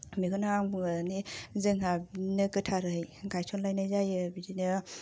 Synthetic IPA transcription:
miɡɯnaaŋbuŋanizɯŋɦabinɯkɯtʰaɾɯjɡajsʰɔnlajnazajɯbiɾinɯ

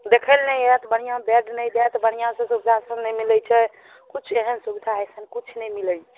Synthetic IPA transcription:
d̪ekʰəlnəjeɾɛt̪bəɽijãbeɖnəjd̪eɛt̪bəɽ̃ijãsə̃subid̪ʱasənnɛmilət͡ʃʰɛ | kut͡ʃʰeɦənsubid̪ʱaesənkut͡ʃʰnɛjmilə

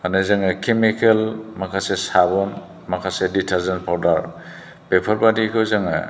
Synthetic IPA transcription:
anajzaŋakʰemikelmakʰasesabɔn | makʰaseditʰaɾzenpʰawdaɾ | pepʰɔɾpadikʰɯwzaŋa̰

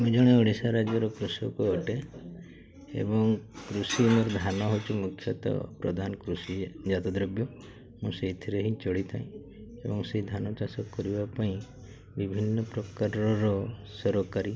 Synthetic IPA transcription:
mũd͡ʒɔɽ̃eɔɽ̃isaɾad͡ʒɔɾɔkɾusɔkuɔʈe | ḛbɔŋkɾusimuɾɔd̪ʱanɔɦot͡ʃʰumukʰːjɔt̪ɔ̰pɾɔ̰d̪ʱanɔkɾusid͡ʒat̪ɔd̪ɾɔbjɔ | mũseit̪ʰiɾeɦĩt͡ʃɔɽit̪ʰãĩ | ḛbɔŋseid̪ʱanɔt͡ʃasɔkɔɾibapaĩ | bibʱinːɔpɾɔkaɾɔɾɔsɔɾɔkaɾi

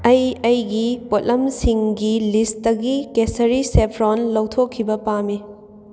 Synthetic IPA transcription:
ɐjɐjɡipotlɐmsiŋɡilistdɐɡikesɐɾisepʰɾonlɐwtʰokʰːibɐpami

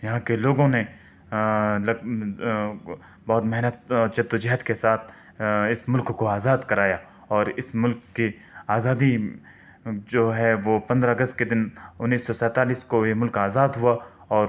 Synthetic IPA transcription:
jɐɦãkeloːɡõne | lɐ | bɔɦːt̪mɛɦnət̪̚ɔːɾt͡ʃɐd̪od͡ʒɐɦət̪kesaːt̪̚ʰ | ɪsmʊlkːoaːzaːd̪kɐɾaːja | ɔːɾɪsmʊlkːe | aːzaːd̪i | d͡ʒoːɦɛʋoːpɐ̃nd̪ɾaɐɡəst̪̚ked̪ɪnʊnːiːsːɔsɛ̃ːt̪aːliːskoemʊlkaːzaːd̪ɦua | ɔːɾ

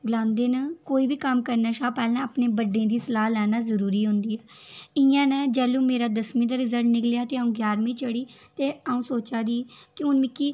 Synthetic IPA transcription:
ɡəlãːnd̪eːnaːkoːiːbiːkəmkəɾnaːʃaːpɛːlãːəpneːbəɖẽːd̪iːsəlaːlɛːnaːzəɾuːɾiːɦʊ̃nd̪iːɛː | ɪjãːnɛːd͡ʒɛːlũːmeːɾaːd̪əsmĩːd̪aːɾɪzəɾʈnɪklejaːt̪eːaũːɡjaːɾmĩːt͡ʃəɽiːt̪eːaːũːsoːt͡ʃaːd̪iːkɪʊnmɪkːiː

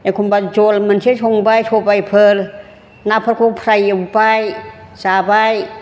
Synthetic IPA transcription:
ekʰumbat͡ʃolmant͡ʃʰit͡ʃʰoŋbajtʰopajpʰəl | napʰakʰupʰɾajapaj | saːbaj

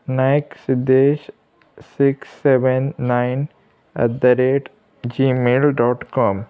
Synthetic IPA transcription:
najksid̪eːʃ | sɪksːeʋenːaɪn | ɐ̰d̪əɾeːʈ | d͡ʒiːmeːlɖɔːʈkɔːm

